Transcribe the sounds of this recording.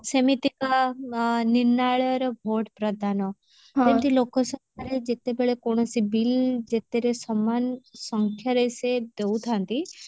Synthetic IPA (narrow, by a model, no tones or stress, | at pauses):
semit̪ika | niɾnaɭɾɔbʱoʈpɾəd̪ʱano | t̪emt̪ilokɔsɔkaɾed͡ʒet̪ebeɭekoɳ̃ɔsibild͡ʒet̪eɾesɔmansɔŋkʰjaɾəjsed̪eut̪ʰant̪i